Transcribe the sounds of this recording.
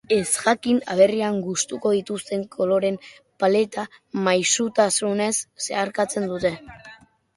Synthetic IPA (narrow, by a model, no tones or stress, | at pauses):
e̞zɣakina̰β̞e̞riaŋɡust̪uko̞ð̞it̪ust̪e̞ŋkʰo̞lo̞ɾe̞m | pale̞t̪amajsut̪asune̞sːe̞aɾkat͡se̞nd̪ut̪e̞